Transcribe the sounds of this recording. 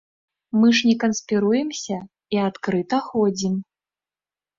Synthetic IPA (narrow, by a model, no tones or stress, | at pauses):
mɨʂnʲɛkɐnspʲiɾujɛmsʲɐ | iat̪kɾɨt̪ɐxɔd͡zʲim